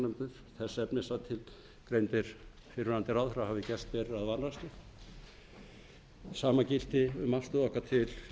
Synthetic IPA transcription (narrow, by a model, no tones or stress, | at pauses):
nʏmt̪ɪθ | θɛsɛpnɪsat̪ʰɪl | kɾejmt̪ɪɾ̥ | fɪɾʏnant̪ɪɾawðfɾawhavɪcɛst̪vɛːɾɪaðvanɾast̪ɪ | saːmacɪl̥t̪ɪʏmafst̪ʏðɔhkat̪ʰɪl